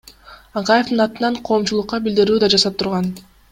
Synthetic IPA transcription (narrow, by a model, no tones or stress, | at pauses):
ɑqɑje̞fd̪ɯnɑt̪ɯnɑɴqʰo̞ːmt͡ʃulˠuqːɑbild̪iɾyːd̪ɑd͡ʒɑsɑp̚t̪ʰuɾʁɑn